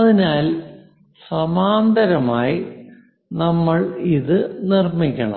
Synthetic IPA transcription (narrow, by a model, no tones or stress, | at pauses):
ɐðinaːl | sɐmaːnd̪ɐɾɐmaːji | nɐmːɐɭiðɨnirmikʲːɐɳɐ̰